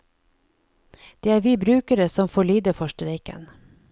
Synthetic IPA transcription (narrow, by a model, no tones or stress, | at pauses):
d̪̥eːæːɾʋiːbɾʉːkəɾəsɔmfoːɭyːd̪əfœʃʈəɾeɪkə̰n